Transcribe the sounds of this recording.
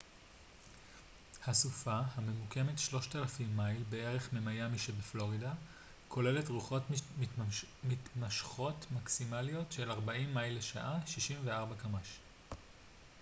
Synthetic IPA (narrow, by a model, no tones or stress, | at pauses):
hasufahame̞muke̞metʃlo̞ʃtalafimːajlbe̞e̞ʁe̞χmemajamiʃebeflo̞ʁida | kʰo̞le̞le̞tʁuχo̞t | mitmaʃχo̞tmaksimalijo̞tʃe̞laʁbaimːajlːeʃa̰ʔaʃiʃiɱveaʁbakamaʃ